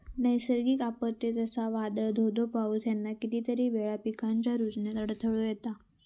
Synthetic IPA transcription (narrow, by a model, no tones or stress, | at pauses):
nəjsəɾɡiːkapət̪ːet̪əsaʋad̪əɭd̪ʱod̪opaut̪janːakit̪iːt̪əɾiːʋeɭapikaɲt͡ɕjaɾud͡zɳjat̪əɽt̪ʰəɭojet̪a